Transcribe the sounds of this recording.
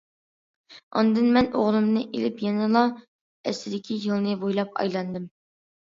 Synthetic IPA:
ɑ̰nd̪ɨnmɛnoʁlˠɨmnɨʔḛlɪpjɛnɨlˠɑ | ɛslɪd̪ɪkʲʰijɨlˠnɨbojlˠɑp̚ɑ̰jlˠɑnd̪ɨm

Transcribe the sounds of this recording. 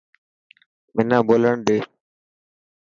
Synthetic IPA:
mɪnãːboːləɳɗeː

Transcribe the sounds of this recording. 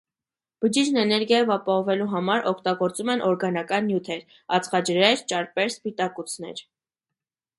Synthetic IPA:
b̥əd͡ʒid͡ʒnɛnɛɾɡjɑjɔvɑpɑhɔvɛluɦɑmɑɾɔkʰt̪ɑɡɔɾt͡sumɛnʔɔɾɡɑnɑkɑnːjut̪ʰɛɾ | ɑt͡sʰχɑd͡ʒəɾɛɾt͡ʃɑɾpɛɾspit̪ɑkut͡sʰnɛ̰ɾ

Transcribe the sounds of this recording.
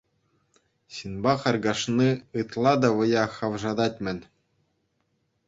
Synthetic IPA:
ɕɯnbɑχɑrɡɑʂniɯt̪lˠɑd̪ɑʋɤ̆jɑχɑʋʐɑd̪ɑtʲmʲɘ̆nʲ

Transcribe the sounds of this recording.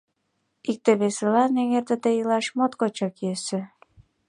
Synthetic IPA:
ik̚t̪eβeselɑneŋert̪ə̆t̪ejilɑʃmot̪kot͡ɕɑkesĕ

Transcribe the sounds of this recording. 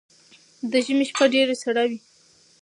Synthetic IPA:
d̪əʒəmeʃpaɖeɾesaɽawi

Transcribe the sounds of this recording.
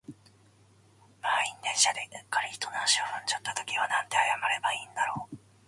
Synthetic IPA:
maːinːẽ̞ɰ̃ɕad̪ekːaɾʲiçi̥t̪o̞naɕioβõɲ̟d͡ʑat̪ːat̪o̞kʲiβanãnt̪e̞ajamaɾe̞baĩːnd̪aɾo̞ː

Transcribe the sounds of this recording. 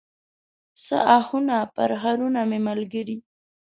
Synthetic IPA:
sə̰ʔahunapə̰ɾɦaɾunamemalɡəɾi

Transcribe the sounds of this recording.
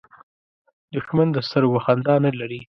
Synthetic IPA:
d̪ʊʃmand̪əst̪əɾwaxand̪ɑnəlaɾi

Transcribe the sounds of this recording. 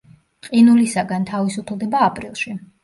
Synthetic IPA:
qʼinulisaɡant̪ʰavisupʰlˠd̪ɛbaːpʼɾilˠʃi

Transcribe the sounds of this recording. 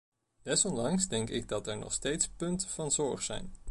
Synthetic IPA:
d̥ɛsɔnlɑŋsdɛŋkɪ̰ɡ̚dɑtɛɹnɔ̰χstejtspɵntəv̥ɑnzɔɹχsɛ̰jn

